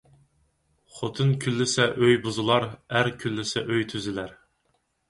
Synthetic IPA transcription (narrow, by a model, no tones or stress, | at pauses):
χot̪ʰɨnkʲʰylːɪsɛʔøjbʊzɨlˠɑɾæɾkʲʰylːɪsɛʔøjt̪ʰyzɪlæɾ